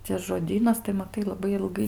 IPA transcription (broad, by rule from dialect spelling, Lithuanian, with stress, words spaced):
ˈt͡sʲɛ ʒoːˈdʲiːnɐs tɐɪ mɐˈtɐɪ lˠɐˈbɐɪ ɪlˠˈɡɐɪ